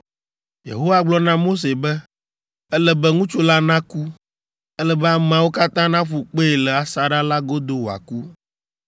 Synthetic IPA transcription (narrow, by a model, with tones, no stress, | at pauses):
jḛ˨ɦo˦wa˦ɡ͡blɔ˦nã˦mo˦s̬e˨bɛ˦ | ɛ˦lɛ˦bɛ˦ŋũ˦t͡ʃu˦la˦nã˦ku˦ | ɛ˦lɛ˦bɛ˦a˨m̃˨ã˨wo˦ka˦t̪ã˦nã˦ɸu˨k͡pe˦e˨lɛ˨a˨sa˨ɖa˦la˦ɡo˦d̪o˦wo˨a̰˨ku˦